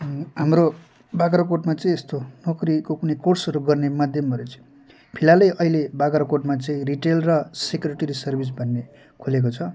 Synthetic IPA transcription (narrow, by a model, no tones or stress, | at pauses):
ɦamro | baɡɾakoʈmat͡sʌĩest̪onʌkrikokunʌjkorsʌɾuɡʌrnemad̪ʱjʌmbʱʌɾot͡sʌĩ | pʰilalʌjʔʌilebaɡɾakoʈmat͡sʌĩriʈelrʌsekɾeʈʌɾisʌrbʱis̬bʱʌnːe | kʰulek̬ot͡sʰʌ